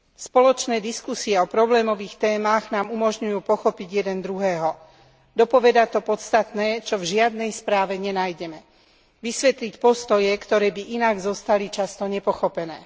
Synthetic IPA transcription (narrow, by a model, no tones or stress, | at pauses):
spɔlɔt͡ʃnɛːd̪iskusiɛɔpɾɔblɛːmɔʋiːxt̪ɛːmaːɣnaːmumɔʒɲujuːpɔxɔpiɟjɛd̪ɛnd̪ɾuɦɛːɦɔ | d̪ɔpɔʋɛd̪at̪ɔpɔt̪st̪at̪nɛːt͡ʃɔvʒɪad̪̚nɛjspɾaːʋɛɲɛnajɟɛmɛ | ʋisʋɛt̪licpɔst̪ɔjɛkt̪ɔɾɛːbiʔinaɡzɔst̪alit͡ʃast̪ɔɲɛpɔxɔpɛnɛː